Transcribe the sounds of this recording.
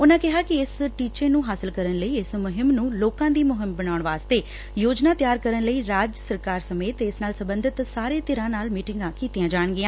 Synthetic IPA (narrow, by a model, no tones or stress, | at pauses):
ʊnãːkɪɦaːkɪɪsʈiːt͡ʃeːnũːɦaːsɪlkəɾənləiːɪsmʊɦɪmnũːloːkãːd̪iːmʊɦɪmbəɽ̃aːʊɳʋaːst̪eː | joːd͡ʒnaːt̪ɪjaːɾkəɾənləiːɾaːd͡ʒsəɾkaːɾsəmeːt̪eɪsnaːlsəbənd̪ʱɪt̪saːɾeːt̪ɪɾãːnaːlmiːʈɪŋɡãːkiːt̪ijãːd͡ʒaːɳɡɪãː